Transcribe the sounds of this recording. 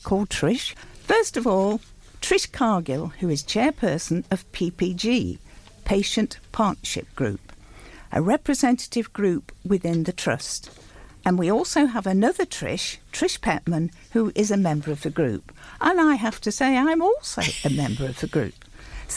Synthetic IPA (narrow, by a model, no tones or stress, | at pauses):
kʰɔlˠd̚tʰɹ̥ɪʃfɜ˞stʌvɔlˠ | tʰɹ̥ɪʃkʰɑɹɡɪlˠhʉɨz̥t͡ʃʰɛɹpʰɜ˞sɨ̃n̩ʌv̥pʰipʰid͡ʒi | pʰeɪʃɨ̃npʰɑɹʔnəʃɪ̰p̚ɡ̥ɹʉ̰p | ʔɨ̰ɹɛpɹɨzɛ̃ntɨ̥ɾɨvɡɹʉpwɨðɪ̃nðɨtʰɹ̥ʌ̰stɨ̃nwiɔlˠsoʊəvɨnʌðə˞tʰɹ̥ɪ̰ʃtʰɹ̥ɪʃpʰæ̰ʔ̚mɨ̃n | huʔɪzɨmɛ̃mbə˞ʌvɨɡɹʉ̰pʔə̃naɪɦæftɨseɪãɪɨ̃mɔlˠsoʊɨmɛ̃mbə˞ʌv̥ɨɡɹʉ̰p